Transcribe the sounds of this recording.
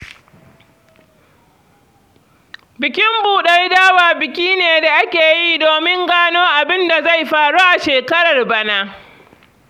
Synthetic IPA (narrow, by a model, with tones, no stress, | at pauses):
bɪ˨kʲɪ˦mbuː˨ɗa˦jdaː˦waː˨bɪ˨kʲiː˦neː˨da˨ʔa˦kʲeː˨ji˦doː˨mɪ˦ŋɡaː˦noː˦ʔa˨bɪ˦nda˨za˦˨jɸaː˨ɽuː˦ʔa˨ʃeː˨kɐ˦ɾɐ˨rbɐ˦naː˦